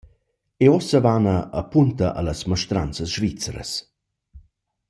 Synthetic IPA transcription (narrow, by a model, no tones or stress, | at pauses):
eɔsəvanə̰ːpunt̪əʔa̰ləsməʃt̪ɾant͡səsʒvit͡səɾə̰s